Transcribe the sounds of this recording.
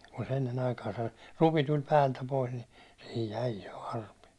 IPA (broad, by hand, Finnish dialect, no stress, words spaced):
kun se enːen ɑikɑːsɑ rupi tulʲ pæːltæ pois ni sihij jæi jo ɑrpi